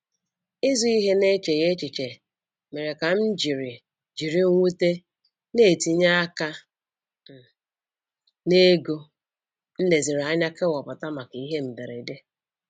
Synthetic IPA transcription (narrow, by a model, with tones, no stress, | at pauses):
ɪ˦zu˦i˦ɦe˦ne˦t͡ʃe˨ɣe˦t͡ʃi˨t͡ʃe˨ | me˨ɾe˨ka˨m̩˦d͡ʒi˨ɾi˨ | d͡ʒi˨ɾi˦ŋ̩˦ŋʷu˦te˦ | ne˦˨ti˨ɲa˦a˦ka˦ | m̩˨ | ne˦ɡo˦ | n̩˦le˨zi˨ɾa˦ɲa˦ke˦wɔ˨pʊ˨ta˦ma˨ki˦ɦe˦m̩˨be˨ɾe˨de˦